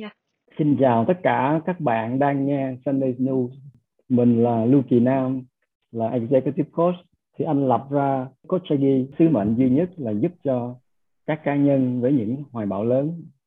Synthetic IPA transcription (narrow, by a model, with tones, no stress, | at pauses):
si˧nt͡ɕaː˨˩wt̪ə˦˥t̚kaː˧˩kaː˦˥k̚ɓa̰ː˧˨nɗaː˧ŋːɛ˧sa˧nɗe˧sni˧s | mï˨˩ŋ̟laː˨˩lu˧ki˨˩naː˧m | laː˨˩ʔɛ˧k̚ze˧kt̪i˦˥p̚ko˦˥s | t̪ʰi˨˩ʔa˧jnla˨˩p̚zaː˧ko˦˥t̚t͡ɕa˧ɣi˧sɨ˨˦mə̰˧˨nzwi˧ɲə˦˥t̚laː˨˩zu˦˥p̚t͡ɕɔ˧ | kaː˦˥kːaː˨˦ɲə˧nvəː˨˦jɲɨ̰˧˥ŋhwaː˨˩jɓa̰ː˧˩wləː˨˦n